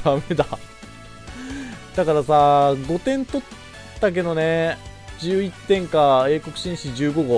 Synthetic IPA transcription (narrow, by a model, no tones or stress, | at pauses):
d̪ame̞d̪a | d̪̥akaɾasaɡo̞t̪ẽ̞nt̪o̞t̪ː | ak̬e̞d̪o̞ne | d͡ʑɨːit̪ːẽ̞ŋkae̞ːko̞kɯ̟ɕĩɰ̃ɕiʑɨːɡo̞ɡo